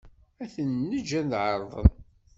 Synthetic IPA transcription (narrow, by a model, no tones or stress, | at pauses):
æθənːəd͡ʒænd̪ʕəɾˤðˤə̰n